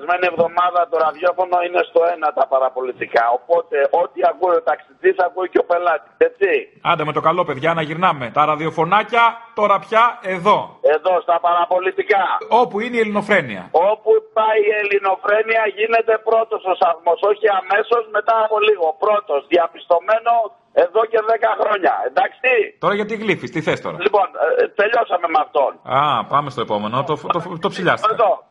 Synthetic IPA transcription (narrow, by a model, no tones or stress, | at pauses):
zme̞nie̞vðo̞mɐðɐt̪oɾɐðʝo̞fo̞no̞inest̪o̞enɐt̪ɐpɐɾɐpo̞lit̪ikɐopo̞t̪e̞ʔo̞t̪iakuiot̪ɐksiðisakuiceo̞pe̞lɐt̪i̥set͡ssiɐnd̪ɐme̞t̪o̞kɐlo̞pe̞ðʝɐːnɐʝiɾnɐme̞t̪ɐɾɐðio̞fo̞nɐcɐt̪o̞ɾɐpçɐe̞ðo̞e̞ðo̞st̪ɐpɐɾɐpo̞lit̪ikɐo̞puineielino̞fɾe̞nḭɐ̰o̞pupɐjelino̞fɾe̞niɐʝine̞t̪e̞pɾo̞t̪o̞sosɐθmo̞so̞çiɐme̞so̞zme̞t̪ɐːpo̞liɣo̞pɾo̞t̪o̞zðiɐpist̪o̞me̞no̞ | e̞ðo̞ce̞ðe̞kɐxɾo̞ɲɐ̰end̪ɐkst̪it̪o̞ɾɐʝɐt̪iɣlifist̪iθe̞st̪o̞̰ɾɐlipo̞nt̪e̞ʎo̞sɐme̞mɐft̪o̞̰nɐpɐme̞st̪o̞e̞po̞me̞not̪ot̪ot̪o̞psiʎɐ̰st̪eɐðo